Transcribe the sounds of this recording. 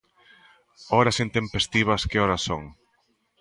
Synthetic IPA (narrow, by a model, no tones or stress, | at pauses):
ɔɾɐsent̪empest̪iβ̞ɐskɪɔɾɐso̰ŋ